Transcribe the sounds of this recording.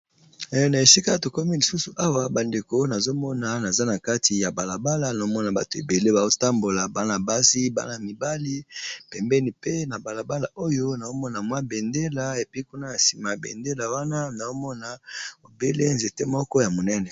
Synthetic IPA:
na˨e˨si˦ka˦to˨ko˦mi˦li˨su˦su˨ʔa˦wa˦ba˨nde˨ko˨˦na˨zo˦mɔ˦na˨na˨za˦na˨ka˦ti˨ja˨ba˨la˨ba˦la˨na˨o˦mɔ˦na˨ba˨to˨e˨be˨le˦ba˨o˦ta˦mbo˨la˨ba˦na˨ba˦si˦ba̰˦na˨mi˨ba˦li˦pɛ˨mbɛ˦ni˨pe˦na˨ba˨la˨ba˦la˨ʔo˦jo˦na˨o˦mɔ˦na˨mwa˦be˨nde˦la˨e˨pi˦ku˦na˦ja˨si˨ma˨bḛ˨nde˦la˨wa˦na˦na˨o˦mɔ˦na˨o˨be˦le˦nze˨te˦mɔ˦kɔ˦ja˨mo˨nɛ˦nɛ˨

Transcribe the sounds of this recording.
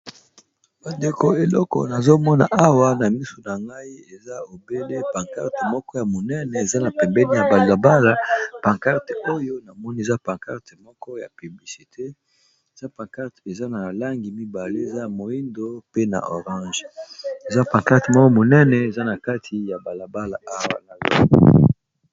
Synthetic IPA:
ba˨nde˨ko˨e˨lɔ˦kɔ̰˨na˨zo˦mɔ˦na̰˨ʔa˦wa˦na˨mi˦so˨na˨ŋɡa˦i˦e˨za˦o˨be˦le˦pa˨ŋka̰˦ʁte˨mɔ˦kɔ˦ja˨mo˨nɛ˦nɛ˨e˨za˦na˨pɛ˨mbɛ˦ni˦ja˨ba˨la˨ba˦la˦pã˨ŋka˦ʁto˦jo˦na˨mɔ˦ni˦e˨za˦pã˨ŋka˦ʁtmɔ˦kɔ˦ja˨py˨bli˨si˨tʰe˦ | e˨za˦pã˨ŋka˦ʁte˨za˦na˨la˦ŋɡi˨mi˦ba˨le˦e˨za˦ja˨mo˨i˦ndo˦pe˦na̰˨ʔo˨ʁɑ̃˦ʒe˨za˦pã˨ŋka˦ʁte˨mɔ˦kɔ˦mo˨nɛ˦nɛ˨e˨za˦na˨ka˦tʰi˨ja˨ba˨la˨ba˦la˨ʔa˦wa̰˦na˨zo̰˨

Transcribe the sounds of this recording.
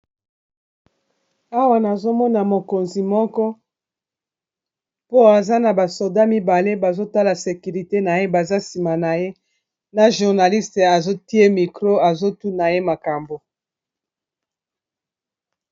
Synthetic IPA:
a˦wa˨na˨zo˦mɔ˦na˨mo˨ko˨nzi˨mɔ˦kɔ˦ | po˦a˨za˦na˨ba˨so˨da˦mi˦ba˨le˦ba˨zo˦ta˦la˨se˨ky˨ʁi˨te˦na˨je˦ba˨za˦si˨ma˨na˨je˦ | na˨ʒu˨ʁna˨li˦ste˨a˨zo˦ti˦e˦mi˨kʁo˦a˨zo˦tu˦na˨je˦ma˨ka˨mbo˨

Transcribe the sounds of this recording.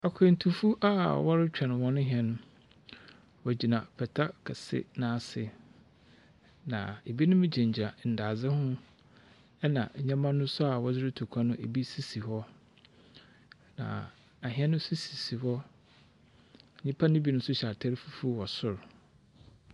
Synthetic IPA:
a˨kʰe˨n̩˨tʰu˨fu˦ʔa̰˦˨wɔ˦ɾɪ˦t͡ɕᶣɛ˨ñ˨wɔ̃˦nʊ̃˦ɦĩ˨ɛ˨nʊ̃˦ | wɔ˨d͡ʑi˨nã˨pʰɛ˨tʰa˦kʰɛ˨sɪ̰˦nãː˦˨sɪ˨ | nã̰˨e˨bi˦nʊ̃˦mɪ̃˦d͡ʑɛ̃˨ɲ˨d͡ʑi˨a˨n̩˨daː˨d͡zɪ˦hʊ̃˦ | ɛ˦nã̰˨ɲã˦mã˦nʊ̃˦sʊ˦a˨wɔ˦d͡zɪ˦ɾɪ˦tʰu˨kʷʰa˦nʊ̃˦ʔe˨bi˦si˦si˨hɔ˦ | nã̰˨ | a˨ɦɪ̃˨˦ɛ˦nʊ̃˦si˦si˨si˨hɔ˦˨ | ɲĩ˦pʰa˦nɪ̃˦bi˦nʊ̃˦sʊ˦ɕa˨ɾtʰa˦ɾfu˦fu˦wɔ˨sʊ˦˨ɾ

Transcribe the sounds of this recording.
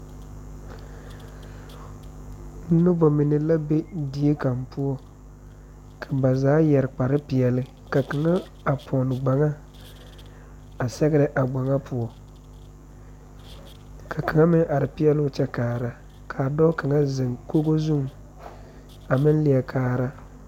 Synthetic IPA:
n̩˦nʊ˦bɔ˨mɪ˨nɪ˨la˦be˦di˨˦e˦ka˨mpu˦ɔ˦ | kʰa˨ba˨zaː˨˦jɛ˨ɾɪ˨k͡pa˨ɾɨ˦pɪ˨ɛ˨lɨ˦ | ka˨ka˨ŋa˦ | a˨pʰɔ˨nɪ˨ɡ͡ba˨ŋa˦ | a˨sɛ˦ɡɪ˦ɾɨ˦ʔa˨ɡ͡ba˨ŋa˦pʰʊ˨ɔ˨ | kʰa˨ka˨ŋa˦mɪ˦ŋʔa˨ɾɪ˨pɪ˦ɛ˦lʊ˦t͡ʃɛ˦kaː˨ɾa˦ | kʰa˨dɔ˦ka˨ŋa˦zɪ˨ŋko˦ɡo˦zu˦ŋ | a˨mɪ˦n˦li˨ɛ˨kʰaː˨ɾa˦

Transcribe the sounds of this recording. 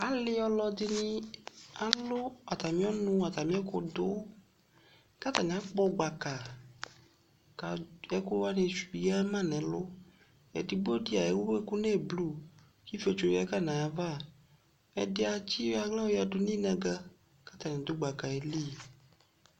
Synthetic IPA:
a˨lɪ˦ɔ˦lɔ˨d̪ɪ˦nĩ˦a˨lʊ˦a˨t̪a˨mĩ˦ɔ˦nʊ̃˦a˨t̪a˨mĩ˦ɛ˦kʊ˦d̪ʊ˦ | ka˦t̪a˨ɲ˨ã˦k͡pɔ˦ɡ͡ba˨ka˨ | ka˨ɛ˦kʊ˦a˦nẽ˨su˨˦ja˦mã˦nɛ̃˨˦lʊ˦ | ḛ˨di˨bo˦di˦a˨e˨˦wu˦be˦ku˦nɛ˦˨blu˦˨ | ki˦fi˦o˦˨t͡ʃo˨jka˦˨nã˨ja˨va˦ | ɛ̰˨dɪ˦a˨t͡ɕi˦a˨ɡla˦wo˦ja˨dʊ˦nĩ˦nã˨ɡa˦ | ka˦t̪a˨nɛ̃˨d̪ʊ˨˦ɡ͡ba˨ka˨e˨li˦

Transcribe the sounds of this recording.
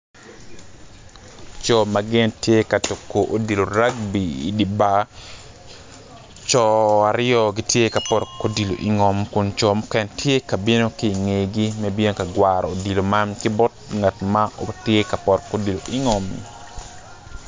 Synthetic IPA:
t͡ʃɔ˨ma˨ɡɪ˦ntje˦ka˨to˨kːo˨ʔo˨di˨lo˨ɾa˦ɡ̚bi˨ḭ˨di˨ba˦ | t͡ʃɔ˨a˨ɾɪɔ˦ɡi˦tje˦ka˨pɔ˨ɾko˦di˨lo̰˨ʔi˨ŋɔ˨mkʊ˨nt͡ʃɔ˨mʊkɛ˨ntje˦ka˨bi˦no˦ki˦˨ŋe˨ɡi˦mɛ˦be˦no˦ka˨ɡwaɾɔo˨di˨lo˨ma˦mkɪ˦bɔ˦t̚ŋa˨tmao˨tje˦ka˨pɔ˨rko˦di˨lo˨ʔi˨ŋɔ˨m̰˨

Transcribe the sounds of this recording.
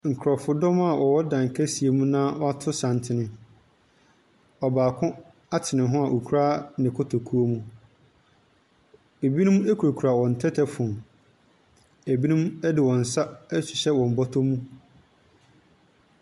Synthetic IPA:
ŋ̩˨kʰɾɔ˨fʊ˦dɔ̃˦ma˦˨wʔɔ˨wɔ˦dã˨ŋ˨kʰɛ˦si˨e˨mũ˦nãː˦wɔ˦a˦tʰʊ˦sã˨n˨tʰɪ˨nɪ̃˨ | ɔ˨baː˨kʰʊ̃˦ | a˦tʰɪ˨nɪ̃˨ɦʊ̃˦a˨ʔo˨kʰu˦ɾaː˦nɪ̃˨kʰʊ˦tʰo˨kʰu˦o˦mũ˦ | e˨bi˦nũ˦me˦kʰu˨ɾo˨kʰu˨ɾa˨wɔ̃˨n̩˨tʰɛ˦tʰɛ˦fʊ̃˨m | æ˨bi˦nũ˦mɛ˦dɪ˨wɔ̃˨n̩˨sa˦ɛ˦ɕᶣi˨ɕɛ˦wɔ̃˨m̩˨bɔ˦tʰo˦mũ˦

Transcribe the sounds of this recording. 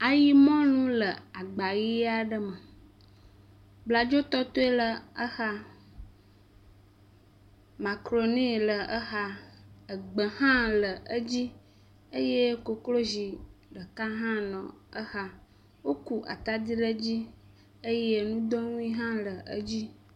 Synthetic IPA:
a˨ji˦mɔ̃˦nũ˦lə˨a˨ɡ͡ba˨ɣi˦a˦ɖə˦mə˨ | bla˨d͡ʒo˦t̪ɔ˦t̪o˦e˦lə˨ə˦xa˦ | ma˨kɾo˨nẽ˦˨lə˨ʔə˦xa˦ə˨ɡ͡bə˨ɦã˦lə˨ʔə˦d͡ʑi˦ | ə˦je˦ko˨klo˦zi˨ɖə˨ka˦ɦã˦nɔ̰̃˨ə˦xa˦ | wo˦ku˨ʔa̰˨t̪a˦d̪i˦ɖə˦d͡ʑi˦ | ə˦je˦nũ˦d̪ɔ˦ŋũ˦ĩ˦ɦã˦lə˨ʔə̰˦d͡ʑi˦

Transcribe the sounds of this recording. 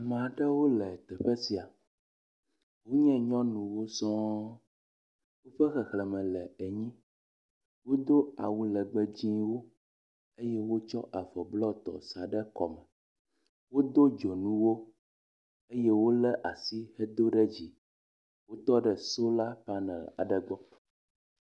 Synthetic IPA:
mã˨ɖɛ˦wo˦lɛ˨t̪ɛ˨ɸɛ˦si˨a˨ | wo˦ɲɛ̃˦ɲɔ̃˦nũ˨wo˦sɔ̃˦ | wo˦ɸɛ˦xɛ˨xlɛ˨mɛ̃˨lɛ˨e˨ɲĩ˦ | wo˦d̪o˦a̰˨wu˦lɛ˨ɡ͡bɛ˦d͡ʑĩ˦wo˦ | e˦je˦wo˦t͡ʃɔ˦ʔa˨vɔ˨blɔ˦t̪ɔ̰˨sa˨ɖɛ˦kɔ̰˨mɛ˨ | wo˦d̪o˦d͡ʒo˨nũ˦wo˦ | e˦jɛ˦wo˦lɛ˦ʔa˨si˦hɛ˦d̪o˦ɖɛ˦d͡ʑi˨ | wo˦t̪ɔ˦ɖɛ˨so˦la˦pa˦nɛ̰̃˨a̰˨ɖɛ˨ɡ͡bɔ˦

